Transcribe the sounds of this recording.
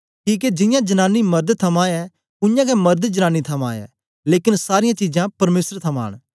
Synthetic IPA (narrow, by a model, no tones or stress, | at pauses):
ʈʰiːk̬ɛd͡ʒɪ̃jãd͡ʒɐnaːnːimɐɾd̪t̪ʰɐmãɛ | ʊjãːkɛmɐɾd̪d͡ʒɐnãːnit̪ʰɐmã̰ːɛ̰ː | leːkɪnsaːɾɪjãt͡ʃiːd͡ʒãpɐɾmeːsəɾt̪ʰɐma̰ːɽ̃